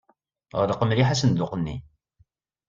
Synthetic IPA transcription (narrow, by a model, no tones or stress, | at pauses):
ʁəɾəqəmɾiħasənd̪ʊqənːḭ